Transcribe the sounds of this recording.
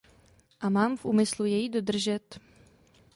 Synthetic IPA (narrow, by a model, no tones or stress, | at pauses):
ʔamaːmfʔṵːmɪslujɛjido̞d̪r̩ʒɛt̪